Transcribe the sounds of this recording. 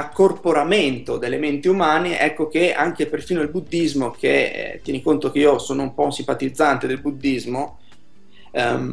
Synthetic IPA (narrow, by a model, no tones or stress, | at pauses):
akːorpoɾament̪od̪elːement̪iumaːneʔɛkːok̟ea̰ŋk̟eperfiːnodilbud̪ːizmokḛt̪ːjɛnikont̪okeiosoːnoumpɔunsimpat̪id̪zːant̪ed̪elbud̪ːizmo